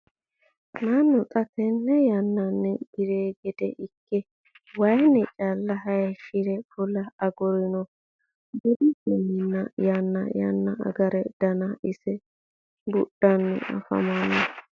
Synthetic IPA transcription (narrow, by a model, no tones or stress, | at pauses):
nanːʊt̪ʼɐt̪ɛnːɛjɐnːɐnːɛɡ̥ɪɾeːɡɛd̪ɛ̰ʔɪkːɛ | wɐjnɛt͡ʃʼɐlːɐɦɐjɛʃɪɾɛfʊlɐɐɡɔɾɪnɔ | bʊd̪ihɛnːɪnːɐjanːɐ̰jɐ̰nːɐɐ̰ɡɐɾɛd̪̥ɐnɐʔɪsɛ | bʊɗːɐnːɛ̰ʔɐ̰fɐ̰manɔ